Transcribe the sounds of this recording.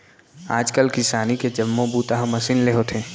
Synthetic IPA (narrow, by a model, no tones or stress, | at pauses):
aːd͡ʒkəlkɪsaːniked͡ʒɐmːõbuːt̪aɦmɐsinleɦot̪ʰẽː